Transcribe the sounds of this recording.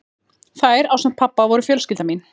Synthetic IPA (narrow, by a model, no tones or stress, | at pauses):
θajɾawsamt̪pʰapːavɔɾʏfjœːlscɪlt̪amin